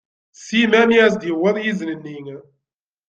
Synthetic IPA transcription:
simænjæsd̪jəwəðˤjiznənːiŋ

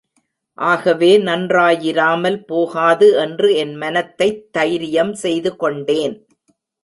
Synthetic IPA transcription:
ʔaːɣɐʋeːnɐndraːjɪɾaːmɐlpoːɣaːðɯɛndrɯɛnmɐnɐt̪ːɐɪt̪ːɐjɾɪjɐmsɛjðɯkɔɳɖeːn

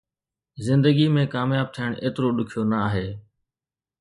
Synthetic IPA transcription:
zɪ̃nd̪əɡiːmẽːkaːmjaːb̚t̪ʰiɪɳeːt̪ɾoːɗʊkʰijoːnəaːɦeː

